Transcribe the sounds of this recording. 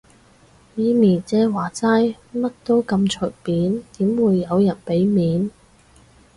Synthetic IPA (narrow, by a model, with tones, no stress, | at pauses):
jiː˨˧miː˨˩nt͡sɛː˨˧waː˨˩t͡saː˥j | mɐ˥t̚t̪o˥wkɐ˧mt͡ʃʰɵ˨˩k̚piː˨˥nt̪iː˨˥mwuː˨˧jːɐ˨˧wjɐ˨˩npe˨˥jmiː˨˥n